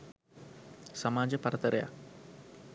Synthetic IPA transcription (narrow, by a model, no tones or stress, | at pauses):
sɐmaːd͡ʑɐpɐrɐt̪ːɐɾɐja̰